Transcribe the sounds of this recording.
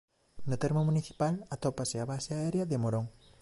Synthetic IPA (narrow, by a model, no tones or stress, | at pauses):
nʊt̪ɛɾmomuniθi̥palɐat̪ɔpaseaβaseaɛɾjɐðemoɾoŋ